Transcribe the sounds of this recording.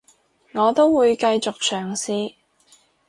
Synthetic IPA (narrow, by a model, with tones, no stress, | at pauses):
ŋɔː˨˧t̪o˥wwuː˨˧jkɐ˧jt͡sʊ˨k̚sœː˨˩ŋsiː˥